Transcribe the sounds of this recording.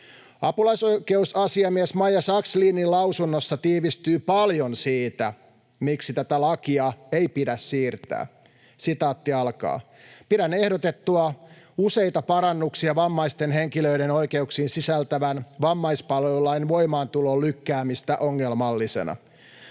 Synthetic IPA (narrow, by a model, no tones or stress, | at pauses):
ɑpulɑjsoke̞usɑsiɑmiesmɑjɑsɑksliːnːilɑwsunːosːɑt̪iːʋist̪yːpɑljonsiːt̪æ̰ | miksit̪æt̪ælɑkiɑejpidæssiːrt̪æ̰ː | sit̪ɑːt̪ːiɑlkɑ̰ː | piɾænehdot̪et̪ːuɑuse̞jt̪ɑpɑɾɑnːuksiɑʋɑmːɑist̪enɦeŋkiløideno̞jke̞uksiːnsisælt̪æʋænʋɑmːɑispɑlelːɑinʋo̞jmɑːnt̪uloːlykːæːmist̪æʔoŋːelmɑlːisḛnɑ̰